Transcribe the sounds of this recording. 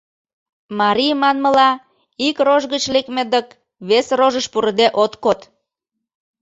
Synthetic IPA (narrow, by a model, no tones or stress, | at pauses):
mɑɾijmɑnməlɑ | ikroʒɣət͡ɕlekmed̪ək | βesroʒəʃpuɾd̪eʔot̪kot̪